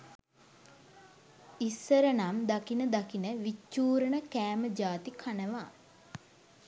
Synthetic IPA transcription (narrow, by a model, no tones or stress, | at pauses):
isːəɾənamd̪akinəd̪akinəʋit͡ʃːuːɾənəkæːməd͡ʒaːt̪ikʰanəʋaː